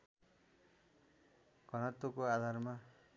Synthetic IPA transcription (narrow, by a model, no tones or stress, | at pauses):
ɡ̥ʱʌnʌt̪okoad̪ʱarma